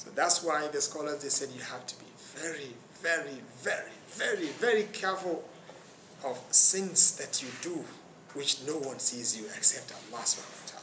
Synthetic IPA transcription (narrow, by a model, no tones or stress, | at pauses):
so̰ðætswaɪðɨskɔlˠə˞zðesɛdjɨhæftʰu̥bi | vɛɹi | vɛɹivɛɹivɛɹivɛɹikʰɛɹfl̩ˠ | ɔv̥sɪ̃nsðɨtʰjɨdu | wɪt͡ʃnowʌ̃nsizjuɛksɛp̚tʰəlːɑsa̰tʰa̰